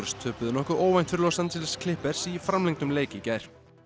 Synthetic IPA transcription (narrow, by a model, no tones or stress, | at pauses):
ɾst̪ʰœːpʏðɪnɔhkʏoːwvajn̥t̪fɪɾʏlowsant̪sʰɪlɪskʰlɪhpɛɾ̥sifɾamlɛŋt̪ʏmleːjcɪcajɾ̥